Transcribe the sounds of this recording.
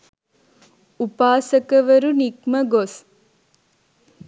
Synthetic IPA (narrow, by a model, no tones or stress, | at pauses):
upaːsɐkəʋɐɾunikməɡos